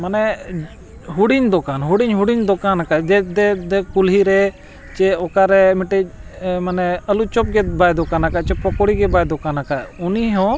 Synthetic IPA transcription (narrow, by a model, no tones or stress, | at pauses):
manɛ | ɦuɽiɲd̪ɔkanɦuɽiɲɦuɽiɲd̪ɔkanakad̪ɛd̪ɛd̪ɛkulɦiɾɛ | t͡ʃɛɔkaɾɛmiʈɛmanɛəlut͡ʃɔp̚ɡɛbajd̪ɔkanakat͡ʃɛpɔkɔɽiɡɛbajd̪ɔkanakaʔuniɦɔ̃